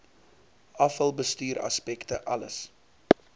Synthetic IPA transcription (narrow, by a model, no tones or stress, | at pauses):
ɐfəlˠbəstyːɾɐ̰spɛktəʔɐləs